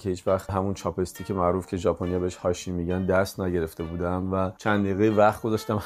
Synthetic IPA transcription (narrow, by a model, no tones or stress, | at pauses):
cʰeiːt͡ʃvæχt̪ɦæmunt͡ʃʰɒːpʰe̞st̪ʰiːcʰe̞mæʔɾuːfcʲʰe̞ʒɒːpʰonijɒbeheʃhɒːʃiːmiːɟænd̪æst̪næɟe̞ɾe̞ft̪ebuːd̪æmvæt͡ʃʰænd̪eːɣejevæχt̪̚ɡo̞zɒʃt̪æm